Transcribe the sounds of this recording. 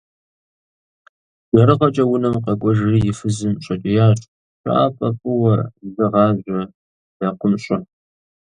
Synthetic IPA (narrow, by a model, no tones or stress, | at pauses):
d̥ɐɾɨʁɐt͡ʃʼɐwʊnɐmqɐkʷʼɔʒrijɪfɨzɨmɕʼɐt͡ʃʼɪjaːʈ͡ʂʼ | ɕʷʼɑ̰ʔa̰ːpʼɐpʼɨwɐzɨʁɑːʑʷɐ | d̥ɐqʷʊmɕʷʼɐn